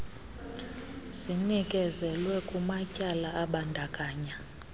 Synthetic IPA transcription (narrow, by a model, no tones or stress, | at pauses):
sinikʼɛzɛlwɛkʼumacʼalaʔaɓandʱakʼaːɲa